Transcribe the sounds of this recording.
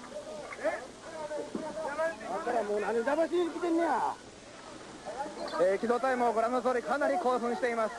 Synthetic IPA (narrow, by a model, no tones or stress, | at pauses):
ak̪aɾamoːnãɲid̪abaɕ̬iɲisɨkʲit̪ẽnːea | eːkʲid̪oːt̪aimoɡoɾanozoːɾʲikanaɾʲiko̞ːɸɯ̟̃ɰ̃ɕi̥t̪e̞imasɨ̥